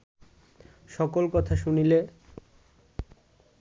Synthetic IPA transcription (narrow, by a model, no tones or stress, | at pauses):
ʃɔkolkɔt̪ʰaʃunile